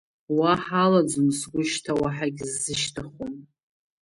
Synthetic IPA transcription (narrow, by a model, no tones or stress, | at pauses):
waħalad͡ʒʊnsɡʷʊʃtʰawaħaɡʲzːɨʃtʰaχom